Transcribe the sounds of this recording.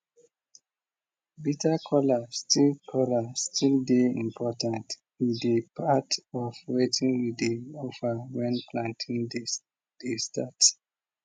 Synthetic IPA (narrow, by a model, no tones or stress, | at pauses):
bitakʰɔlastilkʰɔlastʰildeḭ̃mpʰɔtãnt | ĩndepʰatɔfwetĩnwideofawɛ̃nplãntʰĩnd | d̥estat